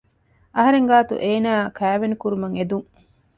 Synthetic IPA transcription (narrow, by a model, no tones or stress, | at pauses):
ɐɦɐɾeŋɡaːt̪ṵʔeːnaːkæːʋenikuɾumɐŋed̪uŋ